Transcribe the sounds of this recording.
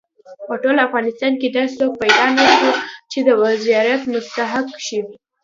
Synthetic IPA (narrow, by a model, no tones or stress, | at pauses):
pəʈolafɣɑnɪst̪ɑnked̪ɑssok̚pajd̪ɑnəʃut͡ʃed̪əwazijɑɾjat̪mʊst̪aɦakʃi